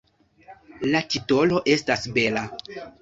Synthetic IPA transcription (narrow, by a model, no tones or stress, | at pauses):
latito̞lo̞ʔe̞stasbe̞la